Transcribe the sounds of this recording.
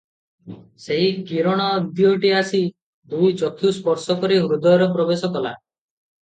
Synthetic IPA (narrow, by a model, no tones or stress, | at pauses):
seɦikiɾɔɽ̃ɔːbd̪jɔʈiasi | d̪ujt͡ʃɔkʰuspɔɾsɔkɔɾiɦɾud̪ɔjɔɾɔpɾɔbesɔkɔla̰